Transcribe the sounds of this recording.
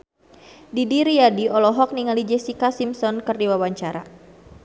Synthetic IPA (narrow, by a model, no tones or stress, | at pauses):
didiɾiadiɔlɔɦɔk̚niŋalid͡ʒɛsikasimsɔnkərdiwawaɲt͡ʃaɾa̰